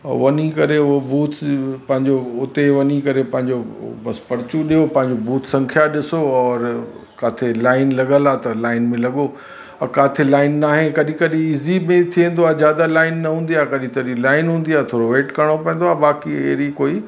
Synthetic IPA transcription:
ʋɐnikɐɾeʊobuːt̪ʰpɐ̃ɦɪ̃ɲd͡ʑoʊt̪eʋɐnikɐɾepɐ̃ɦɪ̃ɲd͡ʑobɐspɐɾt͡ɕuɗijopɐ̃ɦɪ̃ɲd͡ʑobuːt̪ʰsɐ̃ŋkʰijaɗɪsoɔːɾ | kaːt̪ʰelaːɪnlɐɠəlaːt̪ɐlaːɪnmẽlɐɠo | ɐkaːt̪ʰɪlaːɪnːaːɦẽkɐɗĩkɐɗĩɪzimẽt̪ʰiẽn̆d̪oaːzjaːd̪alaːɪnːɐɦũːn̆d̪ijaːkɐɗĩt̪ɐɗĩlaːɪnɦũːnd̪iaːt̪ʰoːɾoʋeːʈkɐɽ̃opɐ̃ɦɪ̃nd̪oaːbaːkḭɦɾikoːi

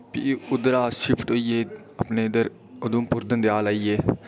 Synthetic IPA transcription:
pḭʊd̪ɾaːʃɪpʰʈɦoːieː | əpneːd̪əɾ | ʊd̪umpʊɾd̪ənd̪jaːlaːieː

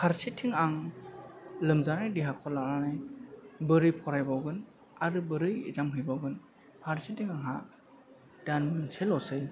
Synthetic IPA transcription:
pʰaɾsitʰːiŋaŋ | lɯmzanajdiɦakʰɔlananɯ | bɯɾɯjpʰɔɾajbawɡɯn | aɾɯbɯɾɯjezamɦɯjbaɡɯn | pʰaɾsitʰːiŋaŋɦa | d̥anmɯnselɔsɯj

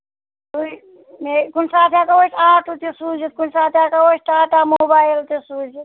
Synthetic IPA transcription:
u | mekunsaːt̪ʰijakaoːʈaːʈut̪esuːd͡ʒit̪̚kunsaːt̪ʰjaːkaosʈaːʈaːmoːbaːilt̪esuːd͡ʒit̪

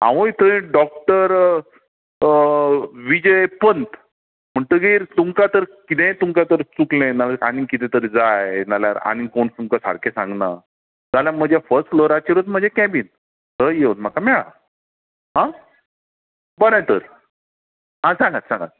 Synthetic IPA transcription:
ã̰ʋojt̪əẽɖɔk̚ʈəɾ | ʋid͡ʑəepənt̪ | m̤əɳt̪əɡiːɾt̪umkat̪əɾkit̪ɛ̃t̪umkat̪əɾt͡suklẽnalaañikit̪ɛ̃t̪əɾd͡zajnalja̰ɾa̰ɽ̃ikonst̪umkasa̰ɽkesãŋɡna̰ | d͡zaljam̤əd͡ʑjafəɾsʈfloɾat͡ɕəɾət̪m̤əd͡ʑekɛ̃biːn | t̪əjeunm̤akamɛɭa̰ | ɦã | bənajt̪əɾ | ɦãsãŋɡat̪sãŋɡa̰t̪̚

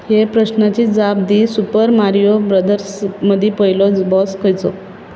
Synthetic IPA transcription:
hepɾəɕnat͡ɕiːd͡zab̚d̪isupəɾmaɾijobɾəd̪əɾsməd̪ʱipəilɔd͡zbɔskəjt͡sɔ̰

